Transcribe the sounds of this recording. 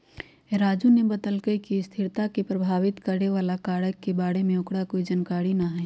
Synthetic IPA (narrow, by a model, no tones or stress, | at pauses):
eɾaːd͡ʒunebəd̪əlɡəikist̪ʰɪɾt̪akepɾəbʱaːʋɪt̪kəɾneʋaːlakaːɽəkːebaːɽemẽʊkɽakoid͡ʒənkaːɽinaɦɛː